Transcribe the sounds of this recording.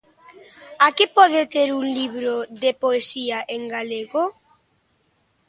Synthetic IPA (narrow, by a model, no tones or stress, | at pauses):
akipɔðet̪eɾuŋliβɾoðepoesiaʔeŋɡaleɣo